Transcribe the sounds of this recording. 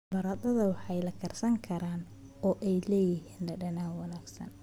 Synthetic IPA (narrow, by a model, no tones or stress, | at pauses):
bɐɾɐd̪ɐðɐwɑħɑjlɐkʰɐrsɐŋkʰɐɾaːn | ɔːʔɛjlɛːjɪɦiːnlɐɖɐnaːwɑnaːɡsɐ̰n